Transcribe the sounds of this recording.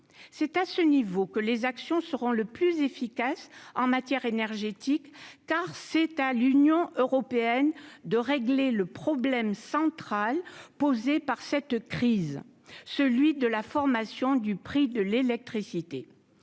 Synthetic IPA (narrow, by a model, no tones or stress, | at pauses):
sɛt̪asənivokəlezaksjɔ̃səʁɔ̃ləplyzefikasɑ̃mat̪jɛʁenɛʁʒet̪ikːaʁsɛt̪alynjɔ̃ʔøʁɔpeɛnd̪əʁeɡleləpχɔblɛmsɑ̃t̪χalpozepaʁsɛt̪kχiz | səlɥid̪əlafɔʁmasjɔ̃d̪ypχid̪əlelɛk̚t̪χisit̪e